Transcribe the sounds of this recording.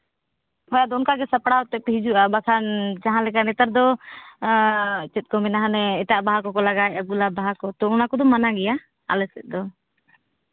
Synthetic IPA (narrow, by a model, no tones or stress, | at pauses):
hɔjad̪ɔunkaɡɛsapɽaɔt̪ɛpɛɦid͡ʒuʔabakʰand͡ʒaɦãlɛkanɛt̪əɾd̪ɔ | t͡ʃɛt̪̚kɔmɛnaɦanɛɛtaʔbaɦakɔkɔlaɡajʔaɡulabaɦakɔt̪ɔunakɔd̪ɔmanaɡɛja | a̰lɛsɛt̪̚ˀd̪ɔ